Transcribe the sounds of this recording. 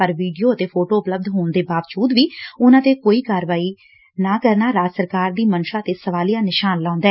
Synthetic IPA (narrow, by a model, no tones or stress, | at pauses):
pəɾʋiːɖijoːət̪eːpʰoːʈoːʊpləb̚d̪ɦoːɳd̪eːbaːʋd͡ʒuːd̪ʋiːʊnãːd̪eːkoːiːkaːɾʋaːiː | naːkəɾnaːɾaːsəɾkaːɾd̪iːmənʃãːət̪eːsəʋaːlijãːnɪʃaːnlãːʊ̃nd̪ɛː